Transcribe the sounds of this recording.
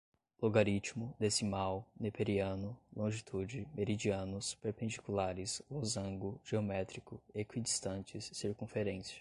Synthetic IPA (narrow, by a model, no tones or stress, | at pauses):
loɡaɾit͡ʃmʊd̪esɪmawnepeɾiɐ̃nʊlõʒit̪ʰud͡ʒɪmeɾid͡ʒiɐ̃nʊspeɾpẽnd͡ʒikulaɾɪslozɐ̃ɡʊʒ̥eomɛt̪ɾikʊekwid͡ʒist̪ɐ̃nt͡ʃɪsːiɾkũfeɾẽsɐ̥